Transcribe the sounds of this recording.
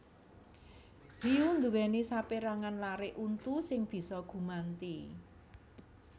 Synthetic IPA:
liund̪uwɛnisapeɾaŋanlaɾeʔunt̪usɪŋb̥i̤sɔɡ̥ṳmant̪i

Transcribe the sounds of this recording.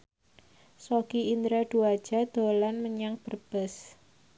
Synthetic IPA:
sokiind̪ɾad̪̥uad̥ʒ̥a̤d̪̥o̤lanməɲaŋb̥ərb̥əs

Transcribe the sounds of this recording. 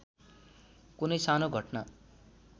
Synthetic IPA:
kunʌjsanoɡʱʌʈna

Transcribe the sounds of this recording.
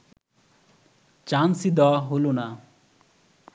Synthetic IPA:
t͡ɕansid̪ɔɦolona

